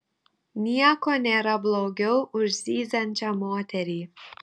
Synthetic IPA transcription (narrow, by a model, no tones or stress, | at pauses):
nʲiɛkoːnʲeːɾɐblˠoːɡʲɛʊʊʒʲzʲiːzʲɐnʲt͡ʃʲɐmoːt̪ʲɛɾʲiː